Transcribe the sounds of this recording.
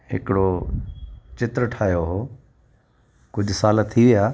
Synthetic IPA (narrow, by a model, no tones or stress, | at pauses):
ɦɪ̰kɪɽo | t͡ɕɪt̪ɾəʈʰaːjoɦoː | kʊd͡ʑʱʊsaːlət̪ʰiʋɪjaː